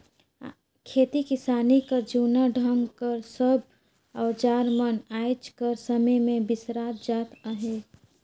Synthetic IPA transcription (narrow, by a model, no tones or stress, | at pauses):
kʰeːt̪ikɪsaːnikad͡ʒuːnaɖʱə̃ŋɡkəɾsəb̚ | ɔːd͡ʒaːɾmənaːjd͡ʒkəɾsəməjmẽbɪsɾaːt̪d͡ʒaːt̪əɦe